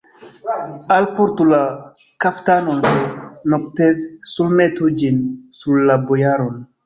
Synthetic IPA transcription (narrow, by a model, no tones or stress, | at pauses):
alpoɾtulakaftanonenok̚tevsulmetud͡ʒinsuɾːabojaɾon